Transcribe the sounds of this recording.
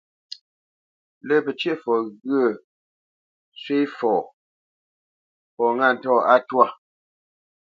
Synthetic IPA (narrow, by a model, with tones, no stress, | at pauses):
lə˦˨pə˨t͡ʃje˦˨fɔ˨ɣɰə˦˨ | sɥe˦fɔː˨ | pɔ˨ŋa˦˨n̩˨tɔː˦˨a˦twa˦˨